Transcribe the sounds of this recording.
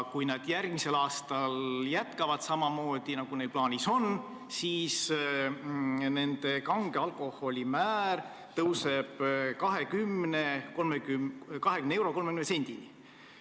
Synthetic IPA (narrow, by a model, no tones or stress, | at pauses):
kujnɑd̪̥jærɡ̥mise̞lɑːst̪ɑljæt̪kɑvɑd̪̥sɑmɑmo̞ːd̪̥inɑɡ̥une̞jlplɑːnʲiso̞n | siːs | ne̞nd̪̥e̞kɑŋɡ̥eɑlko̞ho̞lʲimæːr | t̪ɤwse̞b̥kɑɦe̞kymnekolmekymkɑɦekymneewɾo̞ko̞lmekymnesenʲd̪̥ini